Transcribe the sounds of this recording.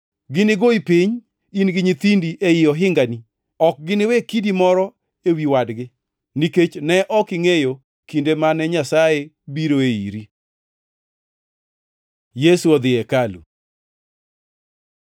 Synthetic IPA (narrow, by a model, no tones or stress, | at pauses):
ɡɪnɪɡoipiɲ | inɡɪɲit̪indiʔejɪɔɦɪŋɡani | ɔk̚ɡɪnɪwekidimɔɾɔ | ewiwadɡɪ | niket͡ʃnɛʔɔkɪŋejo | kindemanɛɲasaje | biɾoeḭɾi | jesuɔd̪ɪɛkalṵ